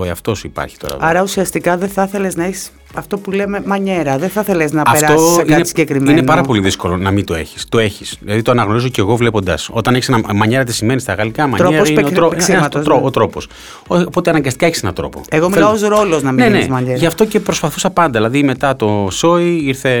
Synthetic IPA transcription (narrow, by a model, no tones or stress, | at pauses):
oiɐ̰ft̪o̞suipɐ̰ɾçi̥t̪oɾɐ̰ɐɾɐusiɐst̪ikɐðeθɐθeleznɐeçi̥s | ɐft̪o̞pulememɐɲe̞ɾɐðeθɐθeleznɐɐefɾaosseiɐneisiɟekɾimine̞npɐɾɐpo̞liðisko̞lo̞nɐmit̪o̞e̞çi̥st̪o̞e̞çisðilɐðit̪oɐnɐɣno̞ɾizoce̞ɣo̞vle̞po̞nd̪ɐ̰so̞t̪ɐneçisenɐmɐɲe̞ɾɐt̪isime̞nist̪ɐɣɐlikɐmɐ̰ɾɲeɾɐsineoɾot̪oɾoot̪ɾo̞po̞s | oopo̞t̪eɐnɐŋɡɐst̪i̥kɐeçisenɐt̪ɾo̞̰po̞̰eɣomilɐozɾoloznɐminenezmɐɲeʝɐft̪o̞ce̞pɾo̞spɐθusɐpɐnd̪ɐðilɐðime̞t̪ɐt̪o̞so̞iiɾθe̞